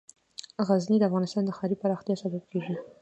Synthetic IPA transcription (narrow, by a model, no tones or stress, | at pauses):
ɣaznid̪əafɣɑnɪst̪ɑnd̪əxɑɾipaɾɑxt̪jɑsabab̚kʰeʒi